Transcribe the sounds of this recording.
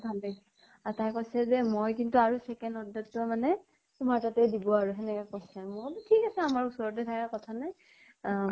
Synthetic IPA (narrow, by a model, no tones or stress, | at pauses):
bʱale | atajkojsɛzɛmojkintuaɹusɛkɛndɔdatːɔmanɛ | tʊmaɹtatɛdibɔaɹuɦɛnɛkakojsɛmʊttʰikasɛamaɹusɔɹɔt̬ɛtʰakakɔtʰanaj